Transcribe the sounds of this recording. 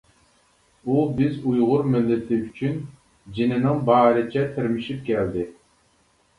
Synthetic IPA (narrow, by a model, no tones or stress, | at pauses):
ubɪzujʁʊɾmɪlːɪt̪ʰɪyt͡ʃʰyn | d͡ʒinɪnɪŋbɑːɾɨt͡ʃʰɛt̪ʰɪɾmɪʃip̚kʲʰɛld̪ɪ